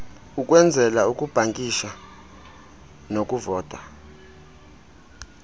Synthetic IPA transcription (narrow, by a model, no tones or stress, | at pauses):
uk̬ʼwɛnd͡zʱɛlaukʼub̥ʱaŋkʼiʃa | nokʼuvɔːtʼa